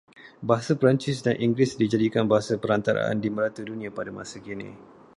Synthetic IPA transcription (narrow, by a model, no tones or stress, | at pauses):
baɦasapəɾant͡ʃɪsdanʔiŋɡɾɪsdid͡ʒadikanbaɦasapəɾant̪aɾa̰ʔa̰ndiməɾat̪udunĩapadamãsakinḭ